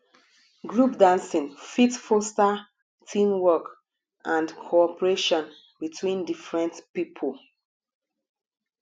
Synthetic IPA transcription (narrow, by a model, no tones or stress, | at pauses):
ɡɹupdãnsĩnfitfosta | tʰĩmwɔk | ʔãndkʰoɔpəɹeʃɔ̃n | bitʰwĩndifɹɛ̃ntpipʰol